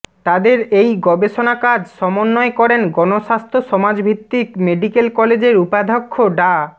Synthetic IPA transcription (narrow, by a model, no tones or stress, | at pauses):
t̪ad̪eɾejɡɔbeʃonakad͡ʑʃɔmonːɔekɔɾenɡɔnoʃast̪ʰoʃɔmad͡ʑbʱit̪ːikmeɖikelkɔled͡ʑeɾupad̪ʱokʰːoɖa